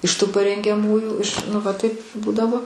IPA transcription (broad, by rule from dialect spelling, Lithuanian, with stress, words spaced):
ɪʃ ˈtuː pɐrʲɛŋʲɡʲɛˈmuːjuː ɪʃ ˈnʊ ʋɐ ˈtɐɪp ˈbuːdɐʋoː